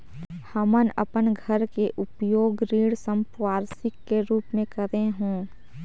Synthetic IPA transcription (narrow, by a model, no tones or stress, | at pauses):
həmənə̰pənɡʱəɾkeʔʊpjoːɡɾiːɽsəmpwaːɾsɪkːeɾuːpmẽkəɾeɦõː